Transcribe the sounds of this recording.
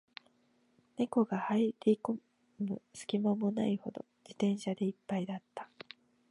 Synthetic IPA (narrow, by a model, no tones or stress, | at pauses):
ne̞ko̞ɡahaiɾʲiko | mɯ̟sɨ̥kʲimamona̰iho̞̰d̪o̞̰d͡ʑit̪ẽ̞ɰ̃ɕad̪e̞ipːaid̪at̪ːḁ